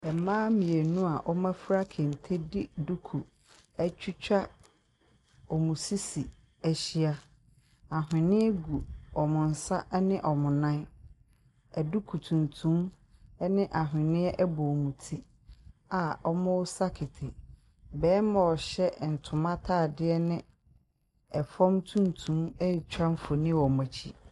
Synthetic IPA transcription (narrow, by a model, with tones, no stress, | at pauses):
ɛ˨mãː˦mĩ˨e˨nũ˦a˨ʔɔ˦mã˦fɾa˦kʰɪ˨n̩˨tʰe˦dɪ˦du˦kʰu˨ | ɛ˦t͡ɕᶣi˦t͡ɕᶣa˦ | ɔ˨mũ˨si˦si˨ | æ˨ɕi˦a˦ | a˨ɦɪ̃˨nɪ̃˦ɛ˦ɡu˨ɔ˨mʊ̃˨n̩˨sa˦ʔnɪ̃˦ʔɔ˨mʊ̃˨nã˦ | ɛ˨du˦kʰu˨tʰũ˨ntʰũ˦m | ɛ˦nɪ̃˦ʔa˨ɦɪ̃˨nɪ̃˦ɛ˦ʔɛ˦bɔ˨mũ˨tʰi˦ | a˨ɔ˦mʊ̃˦wsa˦kʰɪ˨tʰɪ˨ | bɛː˨˦mã˨ɔ˨ɕɛ˦˨n̩˨tʰʊ̃˨mã˦tʰaː˦˨dɪ˦ɛ˦nɪ̃˦ | ɛ˨fɔ̃˦mtʰũ˦n˦tʰũ˦mɛ˦˨t͡ɕᶣa˦m̩˦fo˨nɪ̃˦wɔ˨ma˨t͡ɕʰi˦